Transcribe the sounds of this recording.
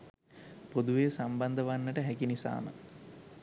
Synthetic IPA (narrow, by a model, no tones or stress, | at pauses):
pod̪uʋeːsamband̪əʋanːəʈəɦækinisa̰ːmə̰